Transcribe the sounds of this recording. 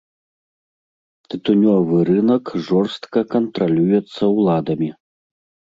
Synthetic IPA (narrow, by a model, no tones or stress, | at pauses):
t̪ɨt̪unʲɔvɨɾɨnɐkʐɔrst̪kɐkɐnt̪ɾalʲujɛt̪sːɐwlˠad̪ɐmʲi